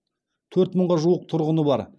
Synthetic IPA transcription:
t̪ʰɵɾt̪məɴʁɑʒuwəq̚t̪ʰʊɾʁənəbɑɾ

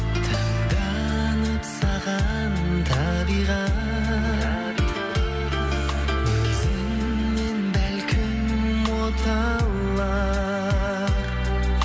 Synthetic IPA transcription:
t̪ʰɑɴd̪ɑnəpsɑʁɑnt̪ʰɑbiʁɑ | wɵzɪŋː | e̞nbælkʲʰɪm | wot̪ʰɑlː | ɑ | ɾ

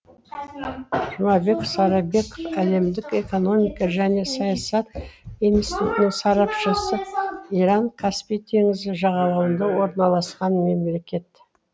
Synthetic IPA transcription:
ʒʊmɑbe̞ksɑɾɑbe̞kofæle̞md̪ɪke̞ko̞no̞mʲijkɑʒæne̞sɑjɑsɑt̪ijnsit̪ut̪ɪnɪŋsɑɾɑpʃəsəiɾɑŋkʰɑspijt̪ʰe̞ŋɪzɪʒɑʁɑlˠɑwənd̪ɑwo̞ɾnɑlˠɑsqɑnme̞mlle̞kʲe̞t̪

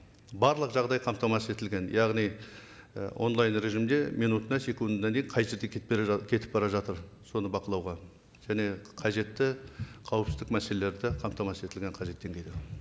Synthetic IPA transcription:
bɑɾlˠəqʒɑʁd̪ɑjqʰɑmpt̪ɑmɑse̞t̪ɪlɡʲe̞njɑʁnij̰ | wʔo̞̰nlˠɑjnɾe̞ʒimd̪e̞mijnut̪ənɑse̞kund̪d̪ɑnd̪e̞jɴqʰɑjʒe̞ɾd̪ekʲʰekʲʰe̞t̪ɪ̥p̚bɑɾɑʒɑt̪əɾ | so̞nəbɑqəlˠɑwʁɑ | ʒ̥æne̞qʰɑʒe̞t̪ːɪqʰɑwəpsɪzd̪ɪk̚mæselele̞ɾd̪ɪqʰɑmpt̪ɑmɑsəe̞t̪ɪlɡʲeɴqʰɑʒe̞t̪ːe̞ŋɡʲejd̪ɪ

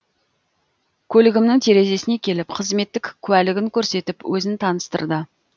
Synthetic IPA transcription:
kʲʰɵlɪɡʲɪmnɪŋt̪ʰe̞ɾe̞ze̞sɪne̞kʲʰe̞lɪpqʰəzme̞t̪ːɪkʲkʲʰːʉælɪɡʲɪŋkʲʰɵɾse̞t̪ɪpwɵzɪnt̪ʰɑnəst̪ə̰ɾd̪ə

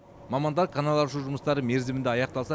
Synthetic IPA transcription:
mɑmɑnd̪ɑɾkʰanalˠɑɾʃuʒʊməst̪ɑɾəme̞ɾzemɪnd̪eɑjɑq̚t̪ɑlˠsɑ

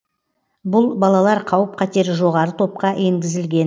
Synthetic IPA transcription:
bʊlˠbɑlˠɑlˠɑɾqʰɑwəp̚qʰɑt̪e̞ɾʒo̞ʁɑɾət̪ʰo̞p̚qɑe̞ŋɡʲɪzɪlɡʲe̞n

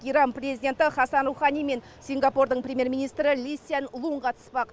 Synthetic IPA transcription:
ijɾɑnprʲe̞zijdʲe̞nt̪ɪχɑsɑnruwχɑnijme̞n | sʲiŋɡɑpord̪əɴpɾʲemʲje̞ɾmʲinijst̪ɾɪlisijanlˠuɴqʰɑt̪ə̥spɑq

